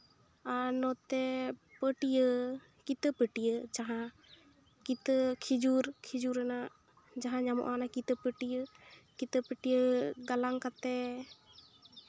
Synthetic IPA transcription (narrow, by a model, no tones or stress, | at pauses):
anɔt̪ɛpəʈijə | kit̪əpəʈijəd͡ʒaɦã | kit̪əkʰid͡ʒuɾkʰid͡ʒuɾɛnaʔ | d͡ʒaɦãɲamɔ̰ʔanakit̪əpəʈijəkit̪əpəʈijəɡalaŋkat̪ɛ